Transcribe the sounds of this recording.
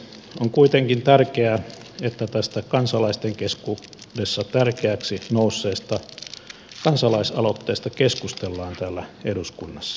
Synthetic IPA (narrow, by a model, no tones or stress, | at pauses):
oŋkuit̪eŋkint̪ærkeæ | et̪ːæt̪æst̪ækɑnsɑlɑist̪eŋkeskudesːɑt̪ærkeæksinousːeːst̪æ | kɑnsɑlɑisɑlot̪ːeːst̪ɑkeskust̪elːɑːnt̪æːlːæeduskunːɑsːɑ̥